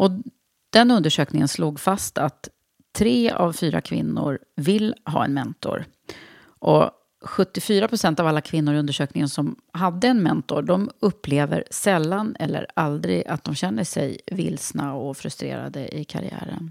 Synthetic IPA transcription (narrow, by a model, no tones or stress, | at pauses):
ʔɔ | d̪̥ɛnɵnd̪əʂøːknɪŋənsluːɡfast̪at̪ʰː | ɾeːa̰vfyːɾa̰kʰvɪ̰nːʊɾ | vɪlːɦɑ̰ːɛnmɛnt̪ɔ̰ɾ | ʔɔ | ɧɵt̪ːɪfyːɾapʰɾʊsɛnt̪avalːakʰvɪnːʊɾɵnd̪əʂøːknɪŋənsɔmɦad̪ːəɛnmɛnt̪ɔɖɔmɵpʰːleːvə̰ɾsɛlːanɛlːə̰ɾald̪ɾɪ̰ɡat̪̚d̪ɔmɕɛnːəʂɛjvɪ̰lsnaɔfɾɵst̪ɾḛːɾa̰d̪əʔɪkʰa̰ɾɪ̰æ̰ːɾən